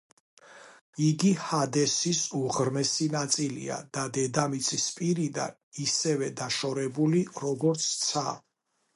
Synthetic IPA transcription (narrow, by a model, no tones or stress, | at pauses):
iɡihad̪ɛsisuʁɾmɛsinat̪sʼilḭa̰d̪̥ad̪ɛd̪amit̪sʰispʼiɾid̪a̰ | isɛvɛd̪aʃɔɾɛbuliɾɔɡɔɾt̪sʰt̪sʰa